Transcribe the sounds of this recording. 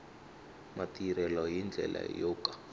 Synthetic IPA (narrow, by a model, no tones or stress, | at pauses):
matiɾɛlɔjind͡ɮʱɛ̰lʔa̰jɔkḁ